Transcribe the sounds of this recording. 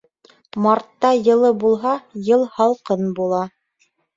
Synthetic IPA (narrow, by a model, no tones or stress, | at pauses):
mɑɾt̪ːɑjɤ̆lˠɤbulˠɦɑjɤlˠhɑlˠqɤnbulˠɑ